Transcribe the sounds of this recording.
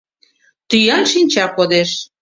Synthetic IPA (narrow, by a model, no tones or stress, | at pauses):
t̪yjɑnʃinʲt͡ɕɑkod̪eʃ